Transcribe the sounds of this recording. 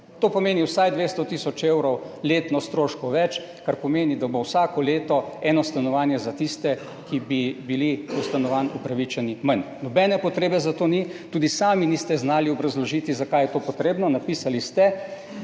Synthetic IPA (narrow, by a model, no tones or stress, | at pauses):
t̪oːpɔmeːniwsajd̪ʋeːst̪ɔt̪isɔt͡ʃewɾɔwleːt̪nɔst̪ɾoːʃkɔʋɛt͡ʃ | kaɾpɔmeːnid̪abowsaːkɔleːt̪ɔɛːnɔst̪anɔʋaːnjɛzat̪ist̪ɛ | kibibiliust̪anɔʋanupɾaʋit͡ʃɛnimɐn | nɔbɛːnɛpɔt̪ɾeːbɛzat̪oːnit̪uːd̪isaːminist̪ɛznaːliɔbɾazlɔʒiːt̪izakajɛt̪oːpɔt̪ɾeːbnɔnapiːsalist̪ɛ